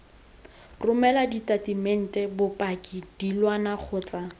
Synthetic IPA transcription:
rʊmɛladitʼatimɛn̩tʼɛbʊpʼakʼid̥ilwanak͡xʰʊːt͡sʼa

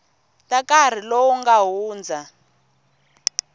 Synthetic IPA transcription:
tʼakar̤ilowuŋɡaɦuːnd͡za

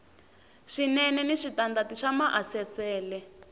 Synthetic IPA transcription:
ʃinɛnɛniʂitandatiʃamaʔasɛsɛːlɛ

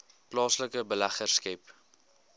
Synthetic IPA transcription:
plɑːsləkəbəlæχərskəp

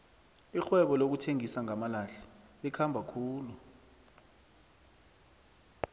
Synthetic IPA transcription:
ixwɛɓɔlok̬utʰeŋisaŋamalaɬɛ̥ɓɛkʰambʱakʰuːlu

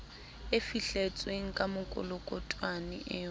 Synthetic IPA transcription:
efiɬet͡sʼweŋ̩kʼamʊkʼʊ̰lʊkʼʊtʼwanɪ̰ʔɪː

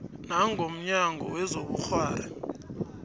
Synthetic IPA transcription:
naŋʱom̩ɲaŋʱɔ̰wɛzoɓuxwaːla

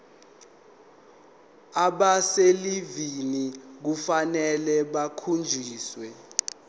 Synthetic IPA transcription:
aɓaselivinik̬ufanɛlɛɓakʰund͡ʒʱiːswɛ

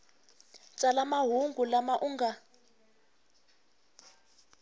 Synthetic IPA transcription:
t͡sʼalamaɦuŋɡulamaʔuŋɡa

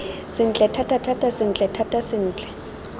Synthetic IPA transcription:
sɪn̩t͡ɬʼɛtʰatʰʼatʰatʼasɪn̩t͡ɬʼɛtʰatʼasɪn̩ːt͡ɬʼɛ̥

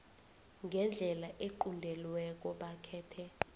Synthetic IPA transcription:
ŋɡʱɛnd͡ɮʱɛlaʔeǃundʱɛlwɛk̬ɔɓakʰɛːtʰɛ

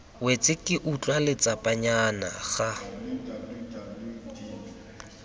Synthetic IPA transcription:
wet͡sʼɪkʼɪʔut͡ɬʼwalɪt͡sʼapʼaɲana̰ɣa

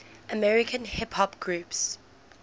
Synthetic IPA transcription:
əmɛɹɪkʰə̃nhɪpʰhɔpɡ̥ɹuːps

